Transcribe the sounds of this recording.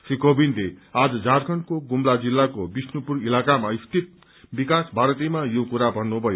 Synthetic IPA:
srikobinlead͡zʌd͡zarkʰʌnkoɡumlad͡zilːakobisnupurilakamaist̪it̪̚ | bikasbʱaɾʌt̪imajokuɾabʱʌnːubʱʌjo

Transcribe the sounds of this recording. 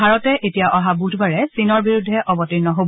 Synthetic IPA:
aɹɔtɛʔetijaʔɔɦabudʰʱbaɹɛsinɔɹbiɹudʱːɛʔʔɔbɔtinɔɦob

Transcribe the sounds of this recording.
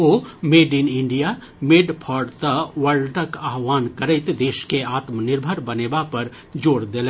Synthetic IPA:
omeɖinɪɳɖija | meɖpʰɔːɖt̪əʋəɭʈəkaɦʋaːnkəɾəɪt̪d̪eːʃkeaːt̪mnɪɾbʱəɾbəneːbapəɾ | d͡ʒoːɽd̪elɛ̃

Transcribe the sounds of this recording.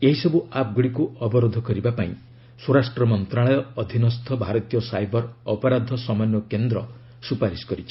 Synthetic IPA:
eɦisɔbuap̚ɡuɽikuɔbɔɾod̪ʱɔkɔɾibapaĩ | suɾasʈɾɔmɔnt̪ɾaɭɔjɔːd̪ʱinɔst̪ʰɔbʱaɾɔt̪ijɔsajbɔɾɔpɔɾad̪ʱɔsɔmanjɔkend̪ɾɔ | supaɾiskɔɾit͡ʃʰi̥

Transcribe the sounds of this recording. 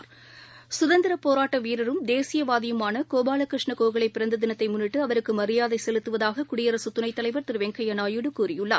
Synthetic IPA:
sʊðɐnd̪ɪɾɐpoːɾaːʈːɐʋiːɾɐɾɯmd̪eːsɪjɐʋaːðɪjɯmaːnɐkoːbaːlɐkɾɪʂɳɐkoːɣɐɭɐɪpːɪɾɐnd̪ɯðɪnɐt̪ːɐɪmʊnːɪʈːɯɐʋɐɾɯkːɯmɐɾɪjaːðɐɪsɛlɯt̪ːɯʋɐðaːɣɐkʊɽɪjɐɾɐsɯt̪ːʊnɐɪt̪ːɐlɐɪʋɐɾt̪ɪɾʋɛŋkɐjɐnaːjɯɽɯkuːrɪjɯɭːɐ̰ːɾ

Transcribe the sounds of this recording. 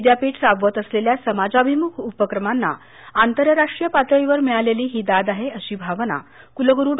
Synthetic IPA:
d̪japiːʈsabʋət̪əsleljasəmad͡zabʱimukʰupəkɾəmanːa̰ | ant̪əɾəɾaʂʈɾijəpat̪ɾəiʋəɾmɛɭaleliːɦiːd̪ad̪aɦeəɕiːbʱaʋna̰ | kuləɡəɾuːɽ

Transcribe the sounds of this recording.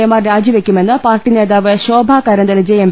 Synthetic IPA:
jɐmaːrɾaːd͡ʑiʋekʲːume̞nːɨpaːrʈːine̞ːðaːʋɨɕoːbʱaːkɐɾɐnd̪ɐlɐd͡ʑejem

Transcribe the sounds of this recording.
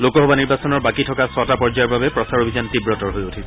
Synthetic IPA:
lokɔɦɔbaniɹbasɔnɔɹbakitʰɔkasɔtapɔɹd͡ʒajɔɹbabɛpɹɔsaɹobʱizantibɹɔtɔɹɦojotʰisɛ

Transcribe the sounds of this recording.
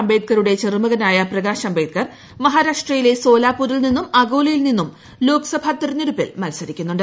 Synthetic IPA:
ɐmbejt̪̚kɐɾuɽe̞t͡ɕermuɣɐnaːjɐprɐɣaːɕɐmbeːt̪̚kɐr | mɐɦaːɾaːʂʈrɐjile̞so̞ːlaːpːuːɾilninːumɐɡoːlɐjilninːum | lo̞ːksɐbʱaːt̪iɾɐnɐɾupːḭlmɐlsɐɾikʲːunːuɳɖɨ

